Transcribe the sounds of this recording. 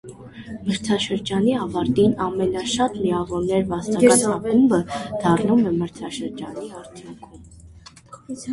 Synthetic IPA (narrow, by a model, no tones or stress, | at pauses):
məɾt͡sʰɑʃəɾd͡ʒɑniɑvɑɾt̪inɑmɛnɑʃɑt̪liɑvɔɾnɛɾvɑst̪ɑkɑsɑpumbəd̪̥ɑrnumɛməɾt͡sʰɑʃəɾd͡ʒɑniɑɾt͡s̪ʰjuŋkʰum